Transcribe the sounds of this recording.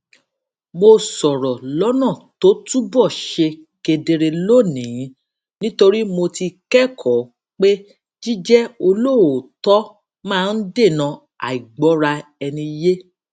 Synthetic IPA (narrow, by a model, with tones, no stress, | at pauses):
mo˧sɔ˨ɾɔ˨lɔ˨˦nã˦˨to˨˦tu˦bɔ˦˨ʃe˧ | ke˧de˧ɾe˧lo˦˨nĩ˨˦ | nĩ˦to˧ɾi˦mo˧ti˧kɛ˦˨kʰɔ˨˦ | k͡pe˦ | d͡ʒi˦d͡ʒɛ˦o˧lo˦˨o˨tɔ˦ | mãː˦˨˧n̩˦de˦˨nã˧ | a̰˨i˨ɡ͡bɔ˨˦ɾa˧ɛ˧nĩ˧je˦